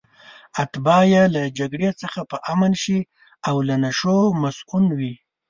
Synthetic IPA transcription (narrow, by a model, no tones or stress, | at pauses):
at̪bɑjelad͡ʒaɡɽet͡səxapəʔamanʃi | awlanaʃomasunwi